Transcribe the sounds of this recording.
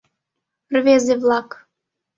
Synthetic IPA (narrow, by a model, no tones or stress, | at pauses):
rβezeβlˠɑk